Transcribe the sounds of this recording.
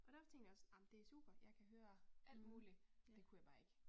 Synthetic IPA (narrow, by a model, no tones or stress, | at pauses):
ʔɒ̽ɾ̥æɐfɒ̽t͡sʰeŋɡd̥jɒsɑmnd̥e̝æɐsṵːb̥ɐjɑ̈ɪkʰæɦøːɐʔæl̰d̥muːlid̥e̝kʰujɑ̈ɪb̥ɑ̈ːeɡ̥ə